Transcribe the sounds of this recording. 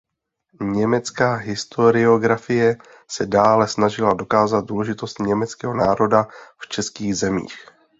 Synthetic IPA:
ɲɛmɛt͡skaːɦɪst̪o̞ɾɪo̞ɡɾafɪjɛ | sɛdaːlɛsnaʒɪlado̞kaːzat̪̚duːlɛʒɪt̪o̞st̪ɲɛmɛt͡skɛɦo̞naːɾo̞daft͡ʃɛskiːɣzɛmḭːx

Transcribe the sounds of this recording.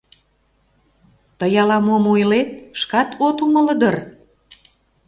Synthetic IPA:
t̪əjɑlɑmomojlet̪̚ʃkɑt̪ot̪umələd̪ər

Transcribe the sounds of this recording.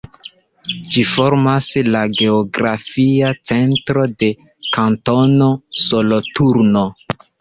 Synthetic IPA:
d͡ʒifo̞ɾmaslaɡe̞oɡɾafiat͡se̞ntɾo̞de̞ | kanto̞no̞so̞lotuɾno̞

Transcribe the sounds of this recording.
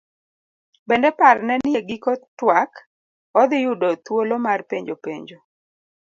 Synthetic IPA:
bɛndɛparnɛnjeɡɪkɔtwak | ɔd̪ɪjʊdɔt̪wolomarpeɲd͡ʒopeɲd͡ʒo

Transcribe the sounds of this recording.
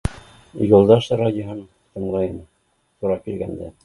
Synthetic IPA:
julˠd̪ɑʃɾadʲɪoɦɤn | t̪ɤ̆ɴlˠɑjɤn | t̪uɾɑkilɡænd̪æ

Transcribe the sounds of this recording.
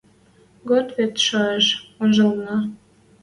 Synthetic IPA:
ɡot̪βet̪ʃɑeʃonʒəlnɑ

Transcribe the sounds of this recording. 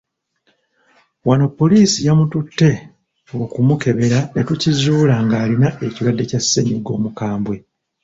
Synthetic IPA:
wano̞pːo̞liːsijamututːe̞ | okumuke̞βe̞ɾanetucizuːlaŋɡaːlinaʔe̞ciɾwadːe̞casːeɲiɡo̞ːmukaːmbwe̞

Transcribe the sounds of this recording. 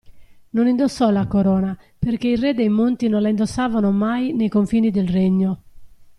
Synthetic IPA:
nonind̪osːɔlakoɾɔːna | perk̟eirɛd̪ejmont̪inonlaind̪osːaːvanomajnejkoɱfiːnid̪elreɲːo

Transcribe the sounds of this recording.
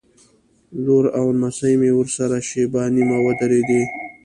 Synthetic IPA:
loɾawnasajmewəɾsaɾaʃebɑnimawəd̪aɾed̪e

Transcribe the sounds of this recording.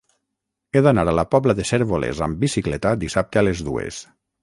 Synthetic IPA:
eðanaɾalapɔβlaðeseɾβolḛza̰mbisiklɛt̪ad̪isap̚t̪ealezðuḛs

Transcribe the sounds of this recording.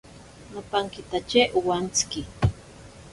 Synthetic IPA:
napaŋkɪt̪at͡ʃeʔuwant͡skɪ

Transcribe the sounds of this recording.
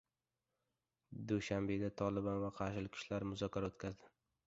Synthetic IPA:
d̪uʃambe̞d̪at̪ʰɒlˠɪbanvaqʰɑɾʃɪlɪkʲʰɪ̥ʃlaɾmʊzɒkʲʰaɾaot̪kʲʰazd̪ɪ

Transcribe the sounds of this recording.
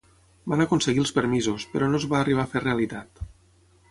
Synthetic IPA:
banəkonseɣilˠspəɾmizuspəɾɔnozβaːriβ̞afereəlit̪at̪

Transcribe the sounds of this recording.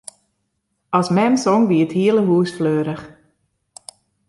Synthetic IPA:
ɑsmɛmsɔŋʋiəthiələɦuːsfløːɾəχ

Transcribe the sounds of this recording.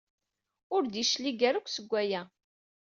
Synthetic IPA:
ʊɾðiʃliɡæɾakʷːsəɡʷːæjæ

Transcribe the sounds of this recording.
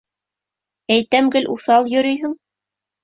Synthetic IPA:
æjt̪æmɡɘlʔuθɑlˠjɵ̆ɾɵjɦɘŋ

